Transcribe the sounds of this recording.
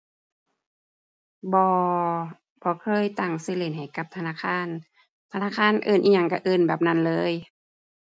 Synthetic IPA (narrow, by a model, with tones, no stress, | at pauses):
bɔː˧ | pʰɔː˧˦kʰɤː˧˥˨jt̪a˧˩ŋsɯ˧˥˨le˧˩˨nha˨˩jka˧˦p̚t̪ʰa˧naː˧˥˨kʰaː˧˥˨n | t̪ʰa˧naː˧˥˨kʰaː˧˥˨nʔɤː˧˩nʔiː˧˩ɲa˧ŋka˧˩ʔɤː˧˩˨nbɛː˨˩p̚na˧˥˨nlɤː˧˥˨j